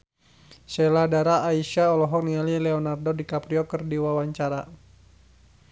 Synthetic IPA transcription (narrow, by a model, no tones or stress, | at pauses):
sɛladaɾaːiʃaɔlɔɦɔk̚nialilɛɔnardɔdikapɾiɔkɨrdiwawaɲt͡ʃaɾa